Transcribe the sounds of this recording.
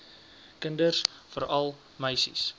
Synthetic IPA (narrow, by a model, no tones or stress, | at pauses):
kəndərsfəɾɐlˠ | məjsḭs